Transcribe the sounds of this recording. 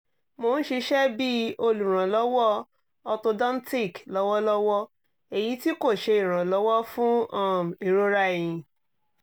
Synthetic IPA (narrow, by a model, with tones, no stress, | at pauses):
mo˨˧n̩˦ʃe˧ʃɛ˦bi˦o˧lu˨ɾ̃ã˨lɔ˨˦wɔ˦ | ɔ˧to˧dã˦n̩˦ti˦˨klɔ˨˦wɔ˦lɔ˦wɔ˦ | e˨ji˨˦ti˦ko˦˨ʃe˧i˦˨ɾ̃ã˨lɔ˨˦wɔ˦fũ˦ɔ̃˦˨m˨i˨ɾo˦ɾa˦e˨j̃ĩ˧